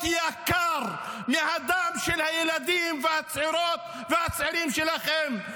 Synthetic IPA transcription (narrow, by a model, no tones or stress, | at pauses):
ijakaɾmihad̪amʃelhajelad̪imvehat͡sʕiɾot̪ | vehat͡sʕiɾimʃelaχem